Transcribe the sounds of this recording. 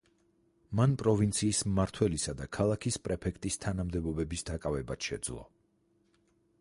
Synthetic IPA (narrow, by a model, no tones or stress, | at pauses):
manpʼɾɔvint̪sʰiːsmaɾt̪ʰwɛlisad̪akʰalˠakʰispʼɾɛpʰɛkʰt̪ʼist̪ʰanamd̪ɛbɔbɛbisd̪akʼavɛbat̪ʃɛ̰d̪zlˠɔ̰